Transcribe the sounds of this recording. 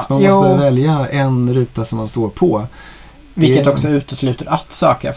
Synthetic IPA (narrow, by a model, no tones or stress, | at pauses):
manɔsːt̪əvɛljaɛnɾʉ̟ːt̪asɔmːanst̪oːɾpʰɔ | vɪlkːət̪ɔksɔʉ̟ːt̪əslʉ̟ːt̪əɾat̪ːsɑːkəɾ